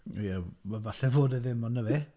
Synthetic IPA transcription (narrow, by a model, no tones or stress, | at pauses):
jɛmavaɬɛvoːdɛðɪmɔnːəvɛ